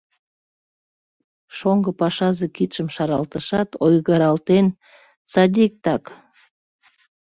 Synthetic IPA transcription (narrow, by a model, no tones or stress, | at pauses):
ʃoŋɡəpɑʃɑzekit̪ʃəmʃɑɾɑlt̪əʃɑt̪ojɣəɾɑlt̪en | t͡sɑd̪ʲik̚t̪ɑk